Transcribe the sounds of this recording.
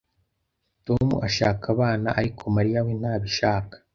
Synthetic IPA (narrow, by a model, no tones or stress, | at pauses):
tomṵʔaʃaːkaβaːna̰ʔaɾikʰo̞maɾijawen̥haːβiʃaːkḁ